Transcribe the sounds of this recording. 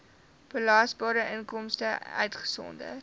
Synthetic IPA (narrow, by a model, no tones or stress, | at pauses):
b̥əlɑːsbɑːɾəʔənkɔmstəœ̰ɥtχə̥sɔ̰ndə̰t